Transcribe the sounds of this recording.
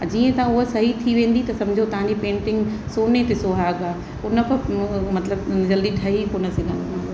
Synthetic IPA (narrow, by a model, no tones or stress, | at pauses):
ad͡ʑiːə̃t̪ɐãʊɦəsɐɦit̪ʰiʋẽːn̆d̪it̪ɐsɐmd͡ʑʱot̪ɐ̤ãɲd͡ʑipẽːɳʈɪ̃ŋɡ | soːnet̪esoːɦaːɡaː | ʊnəpɐmɐt̪ləbd͡ʑɐld̪iɖʱɐɦikonɐsɪlə̃nː